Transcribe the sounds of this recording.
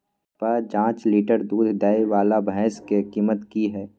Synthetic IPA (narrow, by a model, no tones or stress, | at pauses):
pəd͡ʒãːt͡ʃliːʈəɾd̪uːd̪ʱd̪aiʋaːlabʱəːskekiːmət̪kiɦɛː